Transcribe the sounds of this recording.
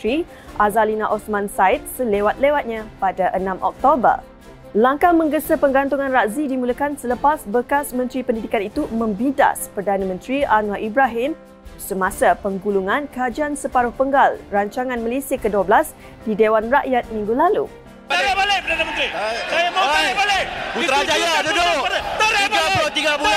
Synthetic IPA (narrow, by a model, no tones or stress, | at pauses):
ɾi | ʔazalinaʔɔsmãnsaɪt̪̚səlewat̪̚lewat̪̚ɲãpadaʔənãmʔɔ̰k̚t̪obə̰r | laŋkamə̃ŋɡəsəpəŋɡant̪uŋãnraʔzidimũləkansələpasbəkasmə̃nt̪ɾipəndidikanit̪umə̃mbida̰spərdanãmə̃nt̪ɾianwaʔibɾaɦɪm | səmasapəŋɡuluŋãnkad͡ʒansəpaɾʊhpəŋɡalraɲt͡ʃaŋãnməlesiakəduablas | didewanraʔjat̪̚mĩŋɡulalṵ | aabalapərdanamə̃nt̪ɾiajamaabaleuɾad͡ʒajadud̪aaɡat̪iɡabu